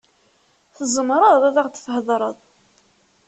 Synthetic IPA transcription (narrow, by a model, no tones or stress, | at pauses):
θəzˤəmɾˤəððˤæðˤɑʁd̪θhəðˤɾˤəðˤ